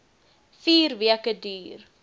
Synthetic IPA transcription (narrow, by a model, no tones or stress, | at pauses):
fiːrviəkədyːr